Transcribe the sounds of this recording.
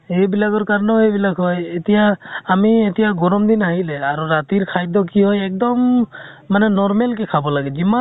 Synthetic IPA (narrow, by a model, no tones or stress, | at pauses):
ejbilaɡɔɹkaɾnɔejbilaɡɦɔjet̪ijaːmiet̪ijaɡɔɾɔmd̪inaɦilɛaɾuɹat̪iɹkʰajd̪ɔkiɦɔjɛk̚d̪ɔmː | anɛnɔɾmelkɛkʰabɔlaɡɛzima